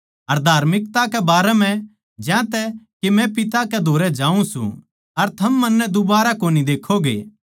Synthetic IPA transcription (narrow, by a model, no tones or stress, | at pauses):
ɐɾd̪ʱaːɾmɪk̚t̪akɛbaːɾɛm̤ɛ̃ | d͡ʒjãt̪ɛkemɛ̃pɪt̪akɛd̪ʱoːɾɛd͡ʒãːũsṵ̃ | ɐɾt̪ʰɐmːɐnːɛd̪ubaːɾakoːnid̪eːkʰːoɡḛː